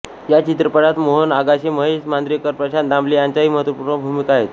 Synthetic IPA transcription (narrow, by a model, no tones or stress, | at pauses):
jat͡ɕit̪ɾəpəɽat̪moɦənaɡaɕeməɦesmand̪ɾijəkəɾpɾəɕand̪ãmblijaɲt͡ɕaɦiːməɦət̪ʋəpuːɾɳəbʱumikaɦet̪